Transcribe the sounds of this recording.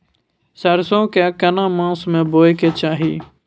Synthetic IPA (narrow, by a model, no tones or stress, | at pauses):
səɾsõːkaːkɐnãːmãːsmẽːboːjkeːt͡ʃaːɦiː